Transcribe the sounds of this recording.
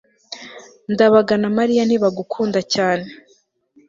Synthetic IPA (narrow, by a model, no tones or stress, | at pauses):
ndaβaɡanamaɾijan̥iβaɡukʰuːndacaːne